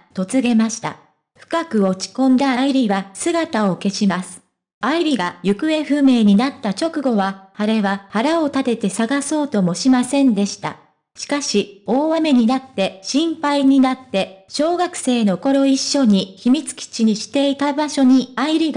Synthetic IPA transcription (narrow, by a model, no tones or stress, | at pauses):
t̪o̞t͡sɨɡe̞maɕi̥t̪a̰ | ɸɯ̟̥kakɯ̟o̞t͡ɕi̥kõ̞nd̪aaiɾʲiβasɨɡat̪ao̞ke̞ɕimasɨ̥ | aiɾʲiɡajɯ̟kɯ̟e̞ɸɯ̟me̞ːɲ̟inat̪ːat͡ɕo̞kɯ̟ɡo̞βahaɾe̞βahaɾao̞t̪at̪e̞t̪e̞saɡaso̞ːt̪o̞mo̞ɕimasẽ̞nd̪e̞ɕi̥t̪a̰ | ɕi̥kaɕio̞ːβame̞ɲ̟inat̪ːe̞ɕĩmpaiɲ̟inat̪ːe̞ɕo̞ːɡakɯ̟̥se̞ːno̞ko̞ɾo̞iɕːo̞ɲ̟içimʲit͡sɨ̥kʲi̥t͡ɕiɲ̟iɕi̥t̪e̞it̪abaɕo̞ɲ̟iaiɾʲiɡ